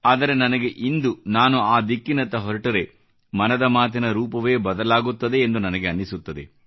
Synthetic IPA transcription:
aːd̪ɐɾe̞nɐnɐɡe̞ʔind̪unaːnuaːd̪ikːinɐt̪ːɐɦɔɾɐʈɐɾe̞ | mɐnɐd̪ɐmaːt̪̬inɐɾuːpɐʋe̞ːbɐd̪ɐlaːɡut̪ːɐd̪e̞ːnd̪unɐnɐɡeɐnːisut̪ːɐd̪ḛ

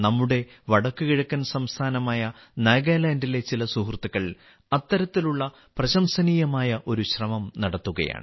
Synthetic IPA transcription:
nɐmːuɽe̞ʋɐɽɐkːɨkiɻɐkːɐnsɐmst̪ʰaːnɐmaːjɐneːɡeːlaːndile̞t͡ɕilɐsuhrt̪ːiɣɐɭ | ɐt̪ːɐɾɐt̪ːiluɭːɐ | prɐɕɐmsɐniːjɐmaːjɐʔo̞ɾuɕrɐmɐmnɐɽɐt̪ːuɣɐ̰ja̰ːɳɨ̰

